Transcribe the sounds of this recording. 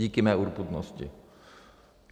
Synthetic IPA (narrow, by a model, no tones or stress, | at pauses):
ikemɛuɾpud̪no̰st͡ɕḭ